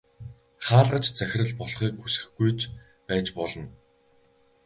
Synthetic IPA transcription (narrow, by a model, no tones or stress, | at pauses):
χaːɮʁə̆t͡ɕt͡sæxʲɪ̆rə̆ɮpɔɮχiːkxusɘ̥̆xɡujt͡ɕ | pæːt͡ɕpɔɮɞ̆n